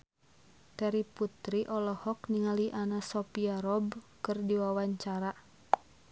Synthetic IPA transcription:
t̪ɛɾiput̪ɾiʔɔlɔhɔkniŋaliʔanasɔpiaɾɔbkɨrdiwawaɲt͡ʃaɾa

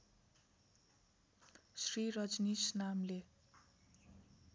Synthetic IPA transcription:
srirʌd͡znisnamle

